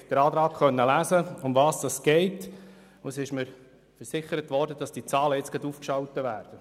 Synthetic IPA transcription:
d̥əɾɑːdɾɑːkχœnːəlæːzəʊmvɑːsd̥ɑsɡ̥ɛɪt | usɪʃməɾ | fəɾsɪχəɾətʋɔɾdəd̥ɑsd̥it͡sɑːləɪt͡sɡ̥ɑd̪uːfkʃɑwtəvæ̰ːɾd̥ə

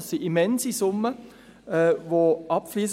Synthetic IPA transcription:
sːiʔimɛnzisʊmə | ɛːvoʔɑpfliːs

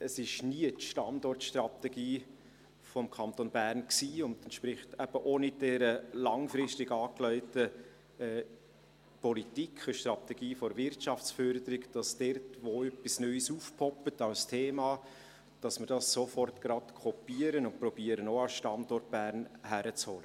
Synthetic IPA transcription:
əsɪʃniətʃtɑndɔrtʃtrɑt̪ɛɡiː | fɔmkʰɑnt̪onbærnksiːʊndɛntʃpɾɪχtɛb̥əʔoːnɪd̥ɛɾəlɑŋfɾɪstɪɡɑːklœʏtə | ɛː | pɔlitikʰχəʃtrɑtɛɡiːfɔɾvɪɾtʃɑft͡sfœɾdəɾɪkd̥ɑsd̥ɛrtʋoœpːisnœʏsuːfpʰɔpətɑlstʰeːmɑː | d̥ɑsmɪɾdɑsːofɔrtɡ̥ɾɑtkʰɔpiəɾənʊnpɾɔbiəɾənoɑsʃtɑndɔrt̚b̥æːɾnhæɾət͡shɔlə

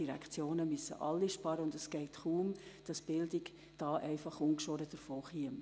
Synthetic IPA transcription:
iɾɛ̰kt͡sjoːnəmysːə̰ʔɑlːiʃpɑɾəʊndɛsɡ̥ɛɪtχuːmd̥ɑsb̥ɪldɪk | d̥ɑːʔɛɪfɑχuŋkʃoɾəd̥əɾfoːχiəm

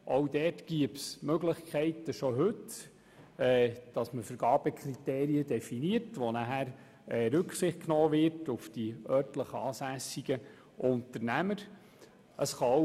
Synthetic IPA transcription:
ʔowdɛːtɡ̥iəpsmøɡləχkʰɛɪtəʃɔɦɵt | ɛːd̥ɑsməfəɾɡ̥ɑːb̥ɛkʰrit̪eːɾiədɛfiniəɾtʋonæɦæɾ | ɛːɾɵksɪχt̚knɔːʋɪɾtʊfd̥iœːrtləχəɑːsæsiɡ̥ə | ʔʊntəɾnæməɾ | əsχɑ

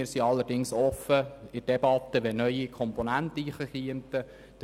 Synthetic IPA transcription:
ɪːɾsiɑlːəɾdɪŋsɔfːəɪd̥ebɑt̪ːəʋɛnœʏikʰɔmponæntəiχəχiəntə | d̥

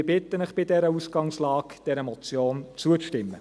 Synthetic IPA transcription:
bɪt̪ːənəχb̥ɪdɛɾəusɡ̥ɑŋslɑːkd̥ɛɾəmɔt͡sjoːnt͡suəʃtɪmːə

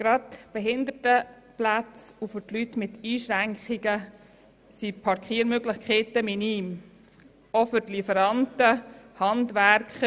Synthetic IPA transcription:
ɡ̥ɾɑtb̥ɛɦɪnd̪ətə | plat͡sufʏɾtlytmɪtiːʃɾæŋkχiɡə | sipʰɑɾkʰiːɾmøɡlɪχkχeːtəminiːm | ofʏɾtlifəɾɑntəhɑndʋæɾkχ

